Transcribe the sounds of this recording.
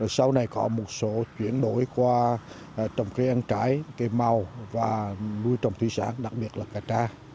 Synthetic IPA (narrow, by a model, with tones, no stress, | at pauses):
sa˧wna˨˩jkɔ˨˦mo˨˩t̚so˨˦t͡ɕwi˧˥ənɗo˧˦jkwaː˧˨ | t͡ɕɔ˨˩wŋ͡mka˧˦jʔə˧nt͡ɕaː˧˦jka˨˦ma˨˩wvaː˨˩nu˧əjt͡ɕɔ˨˩wŋ͡mt̪ʰwi˧sa̰ː˧˥nɗa˨˩k̚ɓi˨˩ət̚laː˨˩kaː˨˩t͡ɕaː˧